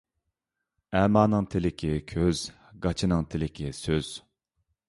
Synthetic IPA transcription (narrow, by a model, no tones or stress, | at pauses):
ɛːmɑːnɨŋt̪ʰɪlɪkʲʰɪkʲʰøz̥ | ɡɑt͡ʃʰinɨŋt̪ʰɪlɪkʲʰɪsøz̥